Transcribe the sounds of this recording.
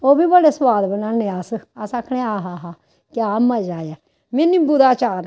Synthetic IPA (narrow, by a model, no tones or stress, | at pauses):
oːbiːbəɽeswaːd̪bənãːnẽːasasakʰɽeːaːɦaːɦaː | kɪaːmad͡ʒaːjɛː | menĩːbʊd̪aːt͡ʃaːɾ